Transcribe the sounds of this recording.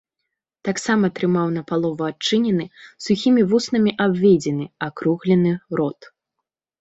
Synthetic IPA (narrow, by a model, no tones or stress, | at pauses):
t̪aksamɐt̪ɾɨmawn̪ɐpalˠɔvɐat͡ʂɨnʲɛnɨsuxʲimʲivusnɐmʲiʔabʲvʲed͡zʲɛnɨakɾuɣlʲɛnɨɾɔt̪